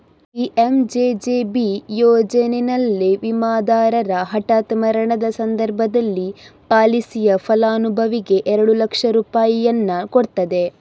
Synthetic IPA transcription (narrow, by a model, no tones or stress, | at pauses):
iʔemd͡ʒeːd͡ʒeːbijɔːd͡ʒɐnenɐlːiʋimaːd̪aːɾɐɾɐɦɐʈaːt̪mɐɾɐɳɐd̪ɐsɐnd̪ɐɾbʱɐd̪ɐlːipaːlisijɐfʰɐlaːnubʱɐʋiɡe̞ʔɛɾɐɽulɐkʂɐɾuːpaːjijɐnːɐkoɽt̪ɐd̪e̞